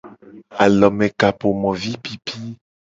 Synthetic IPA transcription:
a̰˨lɔ˨mɛ̃˨ka˨po˨mɔ̃˨vi˦pi˦pʰi˦

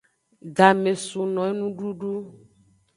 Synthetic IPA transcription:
ɖa˨me˨su˨nɔ̃˨e˦nũ˦ɖu˦ɖu˦

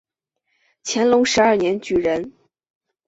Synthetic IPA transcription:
t͡ɕʰjɛ˧˥nlʊ˧˥ŋʂɻ̩˧˥ɐ˞˥˩njɛ˧˥nt͡ɕy˨˩ɻə˧˥n

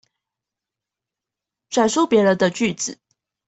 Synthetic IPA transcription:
ʈ͡ʂa˨˩nʂo˥ʊpjɛ˧˥lə˧˦d̪ə˧t͡ɕy˥˩t͡sɹ̩˨˩˦

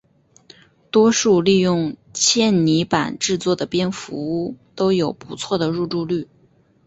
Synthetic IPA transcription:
t̪wɔ˥ʂu˥˧li˥˧jʊ˥˧ŋt͡ɕʰjɛ˥˩nni˧˥pa̰˨˩nʈ͡ʂɻ̩˥˧t͡swɔ˥˩d̪ə˩pjɛ˥nfu˧˥u˥˩t̪o˥ʊjo˨˩ʊpu˧˥t͡sʰwɔ˥˩d̪ə˩ɻu˥˧ʈ͡ʂu˥˧ly˥˩

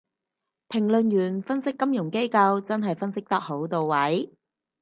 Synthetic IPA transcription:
pʰɪ˨˩ŋlɵ˨njyː˨˩nfɐ˥nsɪ˥kːɐ˥mjʊ˨˩ŋke˥jkɐ˧wt͡sɐ˥nɦɐ˨jfɐ˥nsɪ˥k̚t̪ɐ˥k̚ho˨˥wt̪o˨wwɐ˨˥j

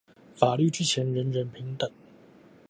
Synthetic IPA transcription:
fa˨˩ly˥˩ʈ͡ʂɻ̩˥t͡ɕʰjɛ˧˥nɻə˧˦˥nɻə˧˥npʰi˧˥ŋt̪ə˨˩ŋ

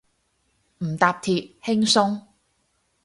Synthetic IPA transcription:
m̩˨˩t̪aː˨p̚t̪ʰiː˨t̚hɪ˥ŋsʊ˥ŋ

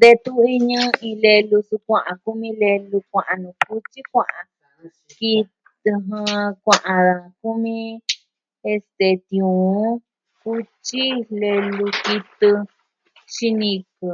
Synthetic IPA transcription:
nd̪e˧t̪u˦i˧ɲɨ̃˦ĩ˧le˧lu˧su˧kʷã˧ʔã˨ku˦mĩ˦le˧lu˧kʷã˧ʔa˧nũ˨ku˦t͡ʃi˦kʷã˧˨ʔã˧ | ki˧ | ɨ˧ɦɨ̃˧kʷã˧ʔã˧ða˨ku˦mĩ˦˧ | e˧st̪e˧˨t̪j̃ũ˨˦ | ku˦t͡ʃi˦le˧lu˧ki˧t̪ɨ˧ | ʃi˧nĩ˧kɨ˨

